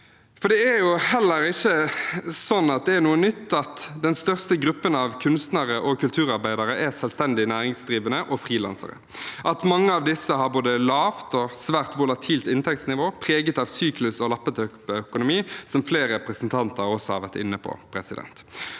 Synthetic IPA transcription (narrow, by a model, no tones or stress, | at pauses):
fɔɖ̪ɛæjʊhɛlːəɾɪçːəsɔnːɑt̪̚d̪ɛæɾnuːənʏt̪ːɑt̪d̪ɛnst̪œʁst̪əɡʁʉpːənɑʋkʰʉnst̪nəɾəʔɔkʉlt̪ʰʉːɾɑɾbæɪd̪ɑɾəʔæsɛlst̪ɛnd̪ɪnæːɾɪŋsd̪ʁiːʋənəʔɔfʁiːlɑ̰nsə̰ɾə̰ | ʔɑt̪mɑŋːəɑʋd̪ɪsəhɑɾboːd̪əlɑːʋt̪ɔsʋæːʁt̪ʋʊlɑt̪ʰiːlt̪ɪnt̪ʰɛk̚t̪snɪʋoːpʰʁeːɡət̪ɑʋsyːklʉsɔlɑpːət̪ʰœkpœkʊnʊmiːsɔmfleːɾɾɛpɾəsənt̪ʰɑnt̪əʁɾɔsːɔhɑ̰ɾʋæʁt̪ɪ̰nːəpʰɔ̰pʰɾɛsɪd̪ɛ̰nt̪